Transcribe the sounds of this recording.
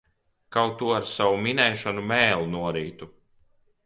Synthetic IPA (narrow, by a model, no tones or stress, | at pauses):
kawt̪uɔaɾsawuminɛjʃanumɛːlˠunuɔɾiːt̪u